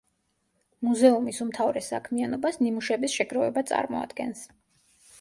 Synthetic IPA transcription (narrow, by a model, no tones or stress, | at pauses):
muzɛumisumt̪ʰavɾɛsa̰kʰmianɔbasnimuʃɛbisʃɛɡɾɔvɛbat̪sʼa̰ɾmɔ̰a̰d̪̥ɡɛ̰ns